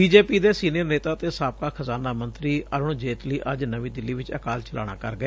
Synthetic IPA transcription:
biːd͡ʒeːpiːd̪eːsiːnijəɾneːt̪aːt̪eːsaːp̚kaːkʰəzaːnaːmənt̪ɾiːʔəɾʊɳd͡ʒeːt̪liːʔəd͡ʒnəʋĩːd̪ɪlːiːʋɪt͡ʃə̰kaːlt͡ʃəla̰ːɽ̃a̰ːkəɾɡəɛː

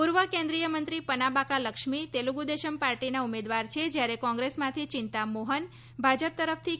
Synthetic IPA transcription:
puɾʋəkẽnd̪ɾijəmə̃nt̪ɾipənabakaləkʃmit̪eluɡud̪eʃəmpaɾʈinaumed̪ʋaɾt͡ʃʰed͡ʒjaɾekɔ̃ŋɡɾesmãt̪ʰit͡ʃɪnt̪amoɦən | bʱad͡ʒəp̚t̪əɾəfʰt̪ʰi

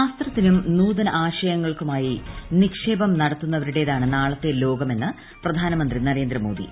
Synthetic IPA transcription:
aːst̪rɐt̪ːinumnuːðɐnɐʔaːɕɐjɐŋːɐɭkumaːjinikʂe̞ːbɐmnɐɽɐt̪ːunːɐʋɐɾuɽe̞ːðaːɳɨnaːɭɐt̪ːe̞lo̞ːɡɐme̞nːɨ | prɐd̪ʱaːnɐmɐnd̪rinɐɾe̞ːnd̪rɐmo̞ːd̪ḭ

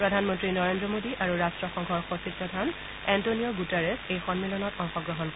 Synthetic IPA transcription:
pɹɔdʱanmɔntɹinɔɹendɹɔmodiʔaɹuɹastɹɔxɔŋɡʱɔɹxosid̚pɹɔdʱan | ɛntoniɔɡutɛɹesejxɔnmilɔnɔtɔŋxɔɡɹɔɦɔnk

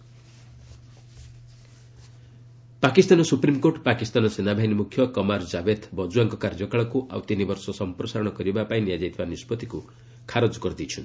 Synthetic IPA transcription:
pakist̪anɔsupɾimkoʈpakist̪anɔsenabʱaɦinimukʰjɔkɔmaɾd͡ʒabet̪bɔd͡ʒuaŋkɔkaɾd͡ʒɔkaɭɔkuʔa̰wt̪inibɔɾsɔsɔmpɾɔsaɾɔɽ̃ɔkɔɾibapaĩnijad͡ʒajt̪ʰibanispɔt̪iku | kʰaɾod͡ʒɔkɔɾd̪it͡ʃʰɔn

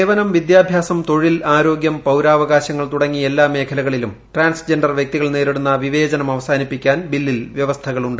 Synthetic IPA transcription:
eːʋɐnɐmʋid̪jaːbʱjaːsɐmt̪o̞ɻilaːɾo̞ːɡjɐmpɐwɾaːʋɐɣaːɕɐŋːɐɭt̪uɽɐŋːielːaːme̞ːkʰɐlɐɣɐɭilum | ʈraːnsd͡ʑe̞nɖɐrʋjek̚t̪iɣɐɭneːɾiɽunːɐʋiʋeːd͡ʑɐnɐmɐʋɐsaːnipːikʲːaːnbilːilʋjeʋɐst̪ʰɐɣɐɭuɳɖɨ

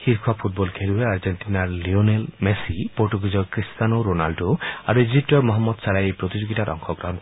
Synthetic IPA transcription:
xiɾkʰwapʰut̚bɔlkʰeluɾeaɾd͡ʒenʈinaɾlionelmesipoɾʈuɡid͡ʒɔkɾist̪anoɾonalɖoaɾuid͡ʒip̚ʈɔɾmɔɦamːɔd̪saɾajepɾot̪id͡ʒoɡitaɾɔ̰ŋkʰɔɡɾaɦɔ̃n

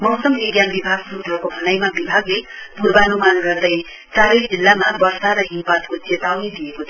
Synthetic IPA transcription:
mʌwsʌmiɡjanbibʱaɡsuɾud̪ʱʌkobʱʌnajmabibʱaɡlepurbanumanɡʌrd̪ʌj | saɾʌjd͡zilːamabʌrsaɾʌɦipat̪kot͡set̪awned̪iekot͡sʰ

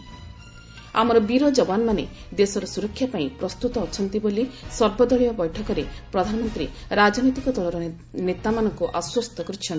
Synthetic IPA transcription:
a̰mɔɾɔbiɾɔd͡ʒɔbanɔmane | d̪esɔɾɔsuɾɔkʰːjapaĩpɾɔst̪ut̪ɔːt͡ʃʰɔnt̪ibolisɔɾbɔd̪ɔɭijɔbɔjʈʰɔkɔɾepɾɔd̪ʱanɔmɔnt̪ɾiɾad͡ʒɔnɔjt̪ikɔd̪ʱɔlɔɾɔ | net̪amanɔŋkuʔaswɔst̪ʰɔkɔɾit͡ʃʰɔnt̪i

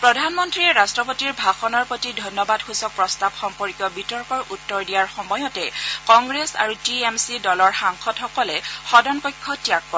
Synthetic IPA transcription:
pɹɔdʱanmɔntɹiɛɹastɹɔpotiɹbʱaxɔnɔɹpotidʱɔnːɔbadxusɔk̚pɹɔstabxɔmpɔɹkjɔbitɔɹkɔɹʔutːɔɹdijaɹxɔmɔjɔtɛkɔŋɡɹesa̰ɹutiemsidɔlɔɹxaŋxʰɔtxɔkɔlɛxɔdɔnkɔjkʰːɔtijakːɔ

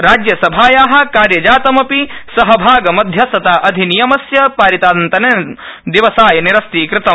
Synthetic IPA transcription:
ɾaːd͡ʒjɐsɐbʱaːjaːɦɐ̆kaːɾjɐd͡ʒaːt̪ɐmɐpisɐɦɐbʱaːɡɐmɐd̪ʱjɐsɐt̪aːʔɐd̪ʱinijɐmɐsjɐpaːɾit̪aːnt̪ɐne | d̪iʋɐsaːjɐniɾɐst̪ikɾɪt̪ɐ

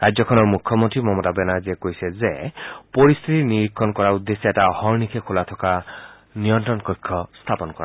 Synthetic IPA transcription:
ɾad͡ʒjɔkʰɔnɔmukʰjɔmɔnt̪ɾimɔmɔtabɛnaziekojsezepɔɾist̪ʰit̪iniɾikʰːɔnkɔɾaud̪ːesietahɔɾnikʰekʰulat̪ʰɔka | nijɔntɾɔnkɔjkʰːɔst̪ʰapɔnɔkɔ̰ɾa̰

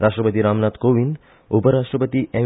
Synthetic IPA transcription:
ɾaʃʈɾəpət̪iɾamnat̪koʋin | upəɾaʃʈɾəpət̪iʔɛ

